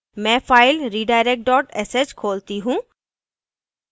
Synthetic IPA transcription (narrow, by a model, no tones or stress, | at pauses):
mɛ̃ːfaːɪlɾiːɖaːɪɾek̚ʈ̚ɖɔːʈɛsed͡ʒkʰoːlt̪iɦũː